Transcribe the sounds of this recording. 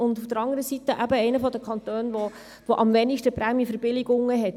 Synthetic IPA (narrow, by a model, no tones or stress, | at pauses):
ʊnd̪uftəɾɑŋdəɾəsit̪əʔæbəɛɪnəfɔd̪əkʰɑnt̪øːnʋɔ | ʋoʔɑmʋɛnɪʃtəpɾæmjəfəɾbɪlɪɡʊŋːəɦɛt